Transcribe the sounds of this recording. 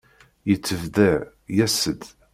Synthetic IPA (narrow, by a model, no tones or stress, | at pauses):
jət͡sːəvðəʕ | jæsəd̪